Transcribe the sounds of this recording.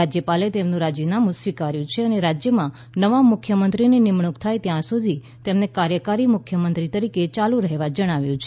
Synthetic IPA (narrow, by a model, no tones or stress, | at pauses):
ad͡ʒjəpalet̪emnũɾad͡ʒjinamũsʋikaɾjũt͡ʃʰeəneɾad͡ʒjəmã | nəʋamʊkʰjəmənt̪ɾinenɪmɳ̃ukt̪ʰajt̪jãsud̪ʱi | t̪emnekaɾjəkaɾimʊkʰjəmənt̪ɾit̪əɾiket͡ʃalũɾəɦeʋad͡ʒəɽ̃aʋjũt͡ʃʰ